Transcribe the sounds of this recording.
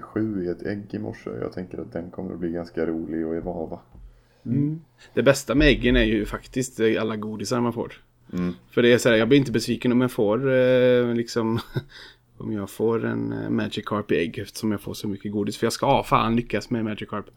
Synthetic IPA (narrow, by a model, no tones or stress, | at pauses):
ɧʉ̟ːeːt̪ɛɡːɪmɔ̰ʂːə̰jɑ̰ːt̪ʰɛŋkəɾat̪̚d̪ɛnkʰɔmːə̰ɾb̪iːɡanskaɾuːlɪɡɔɛvɑːva | d̪̥ɛbɛst̪amɛɛɡːənæɾjɵfakt̪ɪst̪alːaɡuːd̪ɪsaɾmanfo̰ːɾ | fœɖɛæsaæːɾjɑːblɪɾɪnt̪əbɛsviːkənɔmjɑfoːɾlɪksɔm | ɔ̰mjɑːɡfoːɾɛ̰nmæːd͡ʒɪkʰːɑɾpɪɛɡːɛft̪ə̥ʂɔmjɑfo̰ːʂɔmʏkːəɡuːd̪ɪsfœɾjɑːskafa̰ːnlʏkːasmɛmæd͡ʒɪkʰːɑɾp